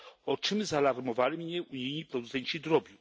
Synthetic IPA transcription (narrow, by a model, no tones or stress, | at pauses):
ɔt͡ʂɘmzalaɾmɔvalʲimɲɛʔuɲijɲipɾɔd̪ut̪sɛɲt͡ɕid̪ɾɔbʲji